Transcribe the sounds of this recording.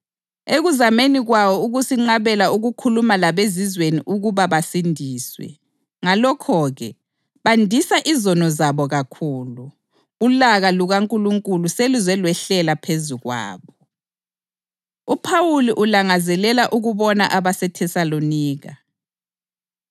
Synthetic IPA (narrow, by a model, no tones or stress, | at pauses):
eɣuzameniɣwawɔuɣusiŋ͡ǁaβɛlauɣukʰulumalaβezizweniʔuɣuβaβasindʱiːswɛ̰ | ŋalɔkʰɔɣɛ | βandʱisaʔizɔnɔzaβɔɣakʰuːluː | laɣaluɣaŋkʼuluŋkʼuluselizwɛlwɛɬɛlapʰezuɣwa̰ːβɔ | upʰawuliʔulaŋazɛlɛlaʔuɣuβɔnaʔaβasɛtʰɛsaloniːɣa̰